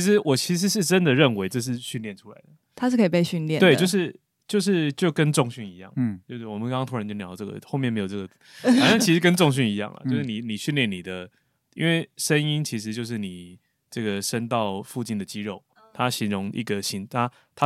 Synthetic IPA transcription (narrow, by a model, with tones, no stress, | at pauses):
t͡ɕʰi˧˥ʂɻ̩˧˥wɔ˨˩t͡ɕʰi˧˥ʂ̬ɻ̩˧˥ʂ̬ɻ̩˥˩ʈ͡ʂə˦nd̪ə˨ɻə˥˩nwe˧˥ɪʈ͡ʂɤ˥˧ʂ̬ɻ̩˥˧ɕy˥˧nljɛ˥˩nʈ͡ʂʰu˦la˧˦ɪd̪ə˩t̪ʰa˥ʂ̬ɻ̩˥˩kʰə˥˨˩pe˥˧ɪɕy˥˨nljɛ˥˨nt̪we˥˩ɪt͡ɕo˥˧ʊʂɻ̩˥˩ | t͡ɕjo˥˧ʊʂ̬ɻ̩˥˧t͡ɕjo˥˩ʊkə˦nʈ͡ʂʊ˥˧ŋɕy˥˩ni˧˦jɑ̰˥˩ŋt͡ɕjo˥˧ʊʂ̩˥˩wɔ˨˩mə˦ŋkɑ˥ŋt̪ʰwə˧t͡ɕo˥˩njɑ˧˦ʊə˧ʈ͡ʂɤ˥˩ə̰˩xo˥˧ʊmɛ˥nme˧˥jo˨˩ʈ͡ʂɤ˥˩ɡə˩t͡sjɑ˥˩ŋʰi˧˥ʂɻ̩˧˥kə˦nʈ͡ʂʊ˥˧ŋɕ̬y˥˩ni˧˥jɑ̰˥˩ŋlə̰˩t͡ɕo˥˧ʊʂɻ̩˥˩ni˨˩ni˨˩ɕy˥˧nljɛ˥˩nːi˨˩d̪ə˦ | ḭ˥nwe˥˩ɪʂə˦ni˦nt͡ɕʰi˧˥ʂ̬ɻ̩˧˦t͡ɕjo˥˧ʊʂ̬ɻ̩˥˩ni˨˩ | ʈ͡ʂɤə˥˩ɡə˩ʂə˦nt̪ɑ˥˨˧ʊfu˥˩t͡ɕi˥˩nd̪ə˨t͡ɕi˦˥ɻo˥˩ʊ | t̪ʰa˦ɕi˧˥nɻʊ˧˥ŋʔḭ˥˩ɡə˩ɕi˧˥nt̪ʰa˦ | t̪ʰa˥